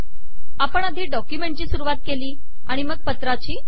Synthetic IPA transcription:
apəɳ̃ad̪ʱiːɖɔkjumẽɳʈ̚t͡ɕiːsuɾuʋat̪̚keliː | aɽ̃iməɡ̚pət̪ɾat͡ɕiː

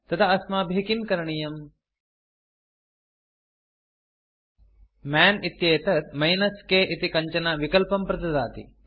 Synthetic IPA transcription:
t̪ɐt̪ʰɐɐsmaːbʱeɦkinkɐɾɐɳijɐm | maːnit̪jeːt̪ɐɾmɐjnɐskeːʔit̪ikɐɲt͡ʃɐnaʋikɐlpɐmpɾɐt̪ɐd̪a̰ːt̪ḭ

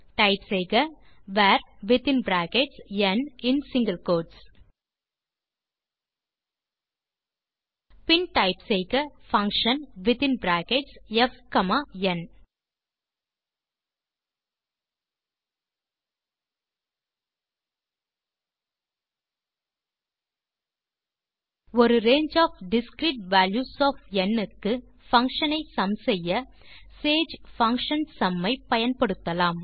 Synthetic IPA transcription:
ʈaɪpsejɡɐ | ʋæːɾʋɪt̪ɪ̃nbɾæːkeʈsjɛnɪ̃nsɪ̃ŋɡəlkoːɖs | pɪnʈɐɪpsejɡɐfɐ̃ŋkʃə̃nʋɪt̪ɪ̃nbɾæːkeʈsɛfkɐmajɛn | ɔɾɯɾeːɲd͡ʒaːfɖɪskɾiːʈ̚ʋæːljuːsɔːfɛnːɯkːɯ | fɐŋkʂɐnɐɪsɐmsɛjːɐseːd͡ʒfɐŋkʂɐnsɐmːɐɪpɐjɐnpɐɽɯt̪ːɐlaːm

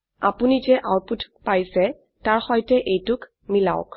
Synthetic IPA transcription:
a̰punizɛʔawputʰpajsɛ | taɹxɔjtɛʔejtʊk | mila̰ʊk

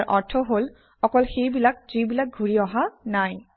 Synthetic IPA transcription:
ʔɔɹtʰɔɦol | ɔkɔlxejbilakzibilak̚ɡʱuɹiɔɦanaj

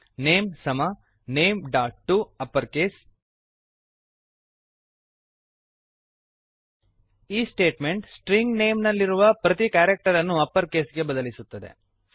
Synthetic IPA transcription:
ne̞ːmsɐmɐ | ne̞ːmɖaːʈ̚ʈːuɐpːɐɾkeːs | iːsʈe̞ːʈme̞ɳʈsʈɾiŋɡneːmnɐlːiɾuʋɐpɾɐt̪ikaːɾek̚ʈɐɾɐnːuɐpːɐɾke̞ːsɡe̞bɐd̪ɐlisut̪ːɐd̪ḛ

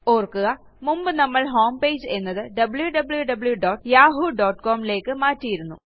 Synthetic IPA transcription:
o̞ːrkːuɣɐ | mumbɨnɐmːɐɭɦo̞ːmpe̞ːd͡ʑɨe̞nːɐðɨɖɐbɨɭjuɖɐbɨɭjuɖɐbɭjuɖoːʈːjaːɦuɖoːʈːkoːmile̞ːkːɨmaːtːijiɾunːṵ

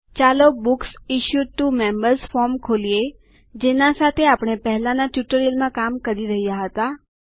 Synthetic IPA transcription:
t͡ʃalobuksiʃjuʈumembəɾsfɔɾmkʰolije | d͡ʒenãsat̪ʰeapɳ̃epəɦɛlanaʈjuʈəɾilmãkamkəɾiɾəɦijaɦət̪a

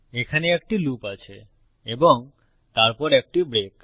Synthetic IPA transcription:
ekʰaneek̚ʈilupat͡ʃʰe | ebɔŋ | t̪aɾpɔɾek̚ʈibɾek

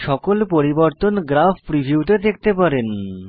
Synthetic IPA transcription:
ʃɔkolpoɾiboɾt̪onɡɾafʰpɾibʱiut̪ed̪ek̚ʰt̪epaɾen

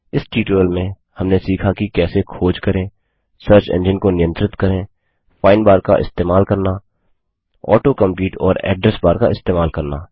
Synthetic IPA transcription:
ɪsʈiːʈoːəlmẽ | hɐmnesiːkʰakikɛːsekʰoːd͡ʒkəɾẽː | səɾt͡ʃḛ̃ːnd͡ʒɪnkonɪjə̃nt̪ɾɪt̪kəɾẽː | fʰaːɪnbaːɾka̰ʔɪ̰st̪eːmaːlkəɾna | ɔ̰ːʈokə̃mpliːʈɔ̰ːɾɛ̰ːɖɾəsbaːɾka̰ɪst̪eːmaːlkəɾna̰ː

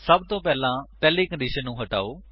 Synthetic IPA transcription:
səbt̪õːpɛːlãːpɛːleːkə̃ɳɖiːʃənːũːɦəʈa̰ːoː

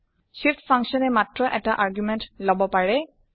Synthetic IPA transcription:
ʃiftʰpʰãŋksɔnɛmatɹɔʔɛtaʔaɹɡjumɛntlɔbɔpaɹɛ

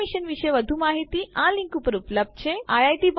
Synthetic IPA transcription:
iɕənʋiɕəjʋəd̪ʱumaɦit̪iːãlĩŋkupəɾupləb̪̚t͡ɕeajajʈiːb

